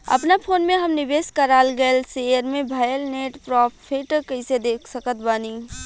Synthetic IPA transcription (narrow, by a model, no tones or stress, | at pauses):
ə̰pnapʰoːnmẽɦəmnɪbeskəɾaːlɡəlsejəɾmẽbʱaːjəlneʈpɾɔppʰːeʈəkəɪsed̪ekʰsəkət̪bani